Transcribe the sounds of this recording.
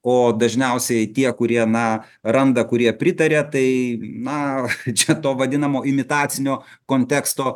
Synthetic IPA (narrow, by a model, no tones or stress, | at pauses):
oːd̪ɐʒʲnʲɛʊsʲɛɪt̪ʲiɛkʊɾʲiɛnɐ | ɾɐnd̪ɐkʊɾʲiɛpʲɾʲɪt̪ɐɾʲeːt̪ɐɪnɐt͡ʃʲɛt̪oːʋɐd̪ʲɪnɐmoːɪmʲɪt̪ɑːt̪sʲɪnʲoː | koːnʲt̪ʲæːkst̪oː